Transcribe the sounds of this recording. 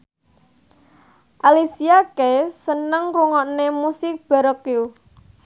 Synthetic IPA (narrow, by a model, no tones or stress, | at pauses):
ʔalisiakesənəŋruŋɔʔnemusɪk̚b̥a̤ɾɔkju